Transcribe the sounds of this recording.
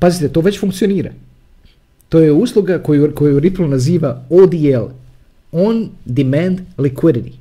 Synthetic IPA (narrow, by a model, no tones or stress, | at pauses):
pazit̪et̪o̞ːʋe̞t͡ɕfuŋkt̪sio̞niːɾa̰ | t̪ojeuslˠuɡakojuko̞juɾiplunaziːʋaod̪iel | ond̪imand̪likwid̪it̪i